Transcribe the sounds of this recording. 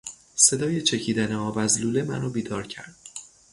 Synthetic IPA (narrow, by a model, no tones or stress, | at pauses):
se̞d̪ɒːje̞t͡ʃʰe̞cʰiːd̪æneɒːbæzluːlemæ̰nɒːbiːd̪ɒːɾcʰæ̰ɾd̪̥̚